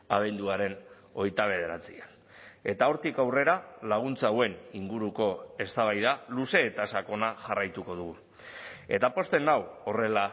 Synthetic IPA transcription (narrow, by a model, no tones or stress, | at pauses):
aβ̞e̞nd̪uaɾe̞n | o̞jt̪aβ̞e̞ð̞e̞ɾat͡sian | e̞t̪ao̞ɾt̪ikawre̞ɾalaɣ̞unt͡sawe̞niŋɡuɾuko̞e̞st̪aβajðaluse̞ːt̪asako̞naʝarajt̪uko̞ðuɣu | e̞t̪apo̞st̪e̞nawo̞re̞la